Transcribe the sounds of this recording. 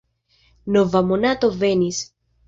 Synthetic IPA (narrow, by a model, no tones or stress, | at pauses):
novamonat̪ovenis